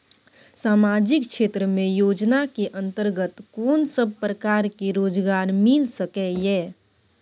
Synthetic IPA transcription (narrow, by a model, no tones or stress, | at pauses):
saːmad͡ʒɪkt͡ʃʰeːt̪ɾəmẽjoːd͡ʒnakeʔə̃nt̪əɾɡət̪koːnsəb̚pɾəkaːɾkeɾoːd͡ʒɡaːɾmilsəkɛjɛː